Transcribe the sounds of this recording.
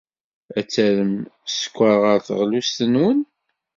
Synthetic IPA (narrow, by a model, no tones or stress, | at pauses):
æt͡sːæɾəmsə̥kʷːəɾʁəɾθəʁlust̪ənwən